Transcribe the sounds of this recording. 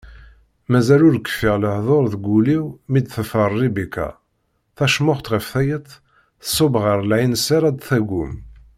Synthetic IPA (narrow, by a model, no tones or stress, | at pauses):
mæzælʊɾəkːfiʁləħðˤoɾˤðəɡuliwmid̪θəfərˤːibikæ̰ | θæʃmʊχt̪ʁəfθæjət̪ˤ | θə̥sˤːobʁəɾˤlʕinsaɾæd̪θæɡum